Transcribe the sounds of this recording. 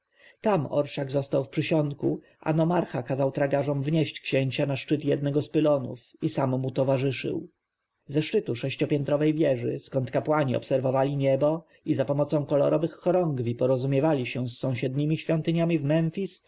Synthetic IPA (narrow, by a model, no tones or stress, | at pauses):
t̪amɔ̰ɾʂaɡzɔst̪awfpʂɘɕɔnt̪ku | ʔa̰nɔmaɾxakazawt̪ɾaɡaʐɔmvɲeɕt͡ɕkɕeɲt͡ɕanaʂt͡ʂɘt̪jɛd̪nɛɡɔspɘlɔnṵfisamːut̪ɔvaʐɘʂɘ̰w | zɛʂt͡ʂɘt̪uʂɛɕt͡ɕɔpʲjɛnt̪ɾɔvɛjvʲjɛʐɘ̰skɔnt̪kapwaɲiɔ̰psɛɾvɔvalʲiɲɛbɔ | izapɔmɔt̪sɔ̃w̃kɔlɔ̰ɾɔvɘxːɔɾɔŋɡvʲipɔɾɔzumʲjɛvalʲiɕɛsːɔ̃w̃ɕɛd̪ɲimʲiɕfʲjɔnt̪ɘɲamʲivmɛnfʲis